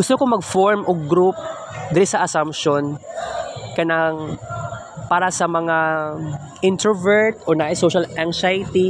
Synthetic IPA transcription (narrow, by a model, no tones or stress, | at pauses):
ɡʊst̪okomɐɡfoɹmʔoɡɡɾup̚ | d̪ɪɾɪsɐʔɐsampʃon | kɐnaŋ | paːɾɐsɐmɐŋa | ʔɪnt̪ɛvɛɹt̪ʔonaʔasoʃalʔaŋsajt̪i